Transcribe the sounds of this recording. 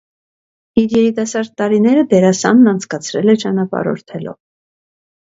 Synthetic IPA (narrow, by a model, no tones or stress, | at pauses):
iɾjɛɾit̪ɑsɑɾd̪̚t̪ɑɾinɛɾəd̪ɛɾɑsɑnːɑnt͡sʰkɑt͡sʰɾɛlɛt͡ʃɑnɑpɑ̰ɾɔ̰ɾt̪ʰɛlɔ̰v